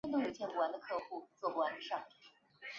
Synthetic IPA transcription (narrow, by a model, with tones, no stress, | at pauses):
ɛ˥˧nt̪u˥˩ɻu˨˩t͡ɕʰjɛ˧˥n˨˩wa˧˥nd̪ə˧kʰɤ˥˧xu˥˧t͡swɔ˥˩˧a˧˥nd̪ə˧ʂɑ˥˩ŋ˥